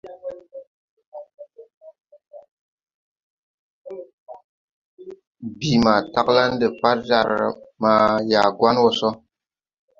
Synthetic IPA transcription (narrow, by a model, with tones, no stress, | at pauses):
bi˨ma˨ta˦kla˦ndə˨pa˦ɾza̰˨ɾ̰ma˦ja˨ɡwa˦nwɔ˦sɔ˦